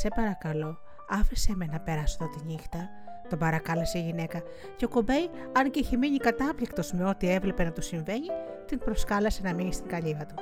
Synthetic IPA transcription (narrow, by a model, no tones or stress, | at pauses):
se̞pɐɾɐkɐlo̞ | ɐfisemenɐpe̞ɾɐsot̪ot̪iɲixt̪ɐ | t̪obɐɾɐkɐlɐseiʝine̞kɐ | ceo̞ko̞be̞j | ɐnceiçemiɲikɐt̪ɐplikt̪o̞zme̞o̞t̪ie̞vle̞pe̞nɐt̪usiɱve̞ɲit̪impɾo̞skɐlɐse̞nɐmiɲist̪iŋɡɐʎiɣɐt̪u